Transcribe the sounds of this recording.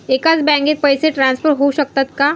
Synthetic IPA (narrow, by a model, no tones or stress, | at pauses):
eːkat͡sbɛ̃ŋɡet̪̚pəjseʈɾãːnspʰəɾɦoʃɐk̚t̪at̪ka